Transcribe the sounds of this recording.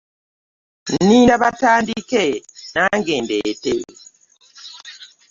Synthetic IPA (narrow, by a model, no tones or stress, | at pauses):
nninaβatandikɛnaŋɡɛmbɛtḛ